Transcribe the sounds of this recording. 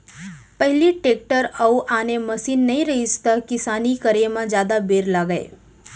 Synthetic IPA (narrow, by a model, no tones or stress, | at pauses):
pəɦliʈeːk̚ʈəɾəuʔaːnemɐsiːnːɐĩɾɐɦist̪akɪsaːnikəɾemãd͡ʒjaːd̪abeːɾlaɡəḛː